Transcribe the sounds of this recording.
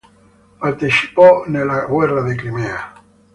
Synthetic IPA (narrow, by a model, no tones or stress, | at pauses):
paɾt̪isi̥ponelaɣweraðekɾimea